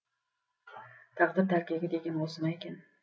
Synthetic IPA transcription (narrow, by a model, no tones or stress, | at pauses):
t̪ʰɑqd̪ɪɾd̪ʰaɾkʲaɡʲad̪e̞ɡʲanbolˠsɪmaekʲan